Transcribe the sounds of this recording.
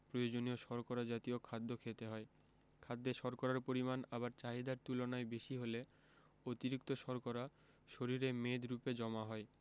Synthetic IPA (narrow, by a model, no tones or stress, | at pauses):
pɾojod͡ʑonioʃɔɾkɔɾad͡ʑat̪iokʰad̪ːokʰet̪eɦɔe | kʰad̪ːeʃɔɾkɔɾaɾpoɾimanabaɾt͡ɕaɦid̪aɾt̪ulonaebeʃiɦole | ot̪iɾikt̪oʃɔɾkɔɾa | ʃoɾiɾemed̪ɾuped͡ʑɔmaɦɔe